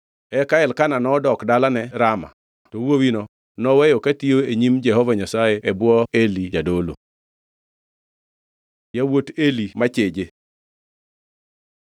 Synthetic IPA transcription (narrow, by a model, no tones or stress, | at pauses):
ɛkaɛlkananɔdɔkdalanɛɾama̰ | tɔwowinɔ | nɔwɛjɔkatioeɲimd͡ʒɛɦɔvaɲasajeɛbwɔelid͡ʒadolo̰ | jawotelimat͡ʃed͡ʒe